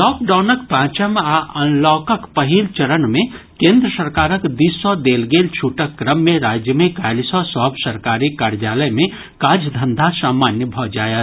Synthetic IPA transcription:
lɔːk̚ɖaʊnəkpãːt͡ʃəmaʔənlɔkəkpəɦilt͡ʃəɾənme | kẽnd̪ɾəsəɾkaːɾəkd̪isɔd̪elɡelt͡ʃʰuʈəkːɾəmːeɾad͡ʒjəmekajlsɔsɔɦbsəɾkaɾikaɾjaləjme | kaːd͡ʒd̪ʱənd̪ʱasaːmaːnjəbʱɔd͡ʒaːjə

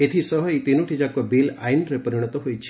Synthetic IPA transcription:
et̪ʰisɔɦɔjt̪inuʈʰid͡ʒakɔbila̰jnɾepəɾiɽ̃ɔt̪ɔɦojt͡ʃʰ

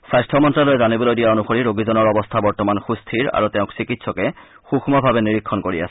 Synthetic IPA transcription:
sajstʰɔmɔntɹalojzanibolojdijaonuxoɹiɹoɡizɔnɔɹɔbɔstʰabɔɹtɔmanxustʰiɹa̰ɹutɛʊ̃ksikitsɔkɛ | xuxmɔbʱabɛniɹikʰːɔnkoɹia̰sɛ̥

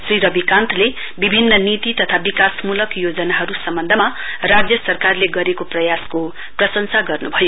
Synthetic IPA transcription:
sriɾʌbikant̪ʰle | bibʱinːʌnit̪it̪ʌt̪ʰabikasmulʌkjod͡zʌnaɦʌɾusʌmbʌnd̪ʱʌmarad͡zjʌsʌrkarleɡʌɾekoprʌjasko | prʌsʌnsaɡʌrnubʱʌjo

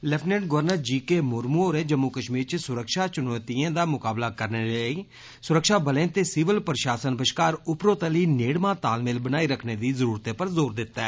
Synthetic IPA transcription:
lɛpʰnɛ̃ːɳɖɡəʋəɾnəɾd͡ʒiːkeːmʊɾmuoːɾẽːd͡ʒəmːʊkəʃmiːɾt͡ʃəsʊɾəkʃaːt͡ʃʊnɔːt̪iːãːd̪aːmʊkaːblaːkəɾneːɾeəiː | sʊɾəkʃaːbəlẽːt̪eːsɪːʋəlpɾʃaːsənbəʃkaːɾʊpɾoːt̪əliːneːɽmãːt̪aːlmeːlbənaːiːɾəkʰneːd̪iːzəɾuːɾt̪eːpəɾzoːɾd̪ɪt̪ːɛː

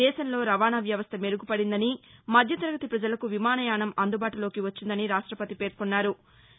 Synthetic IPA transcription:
ɛːʃɐnlo̞ːɾɐʋaːɳaʋjɐʋɐst̪ʰɐmeɾuɡupɐɽind̪ɐnimɐd̪ʱjɐt̪ɐɾɐɡɐt̪ipɾɐd͡ʒɐlɐkuʋimaːnɐjaːɳɐmɐnd̪ubaːʈulo̞ːkiʋɐt͡ʃːind̪ɐniɾaːʂʈɾɐpɐt̪ipe̞ːɾkunːaːɾu

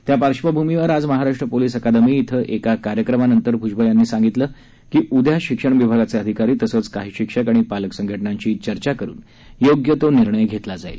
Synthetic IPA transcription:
t̪japaɾɕʋəbʱumiʋəɾad͡zməɦaɾaʂʈɾəpoliːsəkad̪əmiːt̪ʰəʔekakaɾjəkɾəmanənt̪əɾbʱud͡ʑbəjanːiːsãŋɡit̪ləː | kiːʔud̪ʱjaɕikʂəɳ̃ʋibʱaɡat͡seəd̪ʱikaɾiːt̪əsət͡skaɦiːɕikʂəkaɽ̃ipaləksəŋɡʱəʈɳaɲt͡ɕiːt͡ɕəɾt͡ɕakəɾṵːn | joɡjət̪oniɾɳəjɡʱet̪lad͡zaḭl

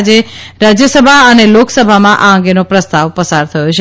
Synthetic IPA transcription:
d͡ʒeɾad͡ʒjəsəbʱaəneloksəbʱamãʔaəŋɡenopɾəst̪aʋpəsaɾt̪ʰəjot͡ʃʰe

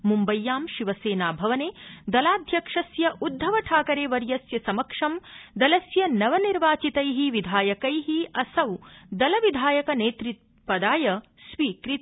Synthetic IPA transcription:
mumbɐjːaːmʃiʋɐseːnaːbʱɐʋɐneːd̪ɐlaːd̪ʱjɐkʂɐsjɐʔud̪ʱːɐʋɐʈʰaːkɐɾeːʋɐɾjɐsjɐsɐmɐkʂɐmd̪ɐlɐsjɐnɐʋɐniɾʋaːt͡ʃit̪ɐjɦiʋid̪ʱaːjɐkɐjɦiɐsɐwd̪ɐlɐʋid̪ʱaːjɐkɐneːt̪ɾit̪̚ | pɐd̪aːjɐ | sʋiːkɾit̪

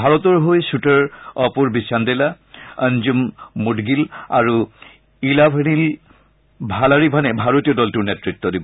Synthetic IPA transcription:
bʱaɹɔtɔɹɦojsutəɹɔpuɹbisandɛla | ənzumːudɡilaɹu | ilabʱənil | bʱalaɹibʱanɛbʱaɹotijɔdɔltuɹnɛtɹitːɔdibɔ

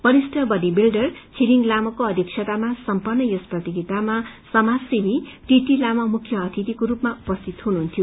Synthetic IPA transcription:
b̥ʌɾisʈʌbʌdibilɖʌrt͡sʰiliŋlamʌkoʌd̪ʱiksʰʌt̪amasʌmpʌrnːʌjʌsprʌt̪iɡit̪amasʌmad͡zsimiʈiʈilamʌmukʰjʌːt̪ʰit̪ikoɾupmaupʌst̪ʰit̪ɦunuɦunt̪ʰjo

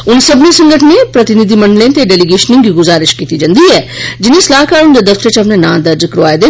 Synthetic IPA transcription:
ʊnsɐbnisɐ̃ŋɡəʈʰnẽpɾɐt̪ɪnɪd̪ʱimɐ̃ɳɖlẽt̪eɖɛːliɡeːʃnɪ̃ŋɡɡiɡʊzaːɾɪʃkiːt̪id͡ʒɐ̃nd̪iɛːd͡ʒɪnẽslaːɦkaːɾʊnd͡ʒad̪ɐft̪ɾet͡ʃɐpnenãːd̪ɐɾd͡ʒkɾoʋaːed̪eː

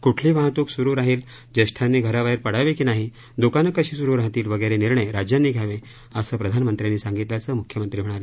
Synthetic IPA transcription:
kuʈʰliːʋaɦət̪uksuɾuːɾaɦiːl | d͡ʑəʂʈʰanːiːɡʱəɾaʋaiɾpəɽ̤aʋekinaɦi | d̪okanəkəɕiːsuɾuːɾaɦt̪iːlʋəɡəjɾeniɾɳəjɾad͡ʑjanːiːɡʱjaʋẽ | əsəːpɾəd̪ʱanmənt̪ɾjanːiːsãŋɡit̪ljat͡səmukʰjəmənt̪ɾiːɦoɳ̃aɾe

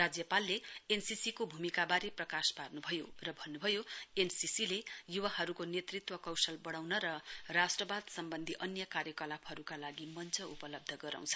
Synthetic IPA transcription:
rad͡zjʌpalːeensisikobʱumikabaɾeprʌkasparnubʱʌjorʌbʱʌnːubʱʌjoensisilejuwaɦʌɾukonet̪rit̪wʌkʌwsʌlbʌɽawnʌɾʌrasʈrʌbad̪sʌmbʌnd̪ʱiʔʌnjʌkaɾjʌkʌlapʰhʌɾukalaɡimʌnt͡sʰʌʔupʌlʌb̚d̪ʱʌɡʌɾa̰w̃t͡sʰʌ̥

